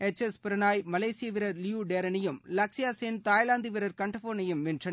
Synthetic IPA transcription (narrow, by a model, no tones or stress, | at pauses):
ɛt͡ʃːɛspɪɾɐnaːjmɐleːsɪjɐʋɪɾɐɾljuːɖeːɾɐnɐjɯmlɐksɪjaːseːnt̪aːjlaːnd̪ɪʋɪɾɐɾkɐɳʈɐfoːɾnɐjɯmʋɪndrɐn